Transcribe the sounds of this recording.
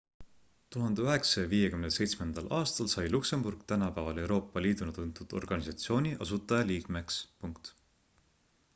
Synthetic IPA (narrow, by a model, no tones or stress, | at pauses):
t̪uɦɑnd̪̥e̞yɦe̞ksɑjɑviːjekymnese̞jt̪smend̪̥ɑlʔɑːst̪ɑlsɑjlukse̞mburɡ̥t̪ænɑpævɑle̞wɾo̞ːpːˑɑliːd̪̥unɑt̪unt̪ːˑud̪̥o̞̰rɡ̥ɑnʲisɑt̪sio̞ːnʲiʔɑsut̪ːˑɑjɑliːɡ̥me̞kspuŋkt̪